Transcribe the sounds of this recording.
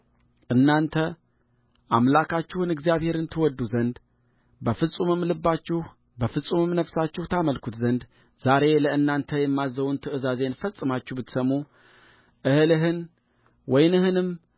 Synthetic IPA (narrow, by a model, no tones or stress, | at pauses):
ʔɨnːant̪ʰə | ʔamlakʰat͡ʃːɪhɨnɨɡzijaβhe̞ɾɨnt̪ʰɨwɔd̪ːuzənd̪ | bəfɨsʼumɨmːlɨbːat͡ʃːɪh | bəfɨsʼumɨmnəfsat͡ʃːɪht̪ʰaməlkʰut̪zənd̪ | z̥aɾe̞ləɨnːant̪ʰəjɛmːazːəβunt̪ʰɨʔɨzaze̞nfəsʼɨmat͡ʃːuhbɨt̪səmːu | ʔɨhɨlɨɦɨn | wɔjnɨhɨnɨm